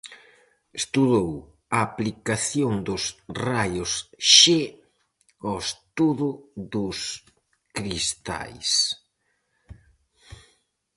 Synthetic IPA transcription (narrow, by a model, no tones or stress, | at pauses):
est̪uðow | aːplikaθjoŋd̪ʊsrajʊsʃe | ɔest̪uðʊðʊs | kɾist̪a̰js